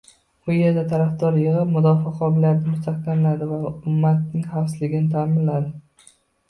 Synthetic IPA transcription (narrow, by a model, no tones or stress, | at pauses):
ʊjeɾd̪at̪ʰaɾafd̪ɒɾjɨʁɨpmʊd̪ɒfɒqʰɒbɪlijat̪ɪmʊst̪ʰaqkʲanlad̪ɪvaʊmːat̪̚nɪŋχafsɪlɪɡʲɪnɪt̪ʰaːmɪnlad̪ɪ